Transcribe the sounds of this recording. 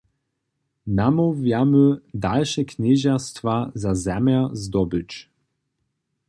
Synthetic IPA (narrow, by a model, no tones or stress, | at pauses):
namovjamød̪alʃɛkʰnʲeʑast̪vazazɛmjazd̪ɔbɘt͡ʃ